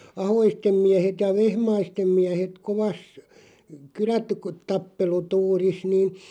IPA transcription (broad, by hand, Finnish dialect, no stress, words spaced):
ɑhoistem miæhet jɑ ʋehmɑistem miæhet koʋɑs kylætu ku tɑpːelutuːris niːn